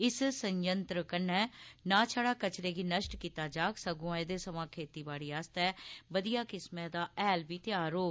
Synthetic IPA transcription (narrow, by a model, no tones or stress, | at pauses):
ɪssəɲjənt̪ɾəkənɛːnãːt͡ʃʰaːɽaːkət͡ʃɾeːɡiːnəʃʈkiːt̪aːd͡ʒaːksəɡõãːed̪eːsəmãːkʰeːt̪iːbaːɽiːaːst̪ɛːbəd̪ijaːkɪsmɛ̃ːd̪aːʔɛːlbiːt̪ɪjaːɾoː